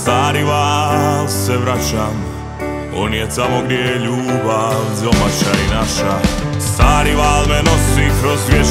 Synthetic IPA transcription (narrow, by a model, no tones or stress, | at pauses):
st̪aːɾiʋaːlsɛʋɾat͡ʃam | ɔ̰njɛt̪amɔɡɾɛʎuːbawd̪omaʃainaʃast̪aːɾiʋaːlmɛnɔsipɾɔzʋʲjɛ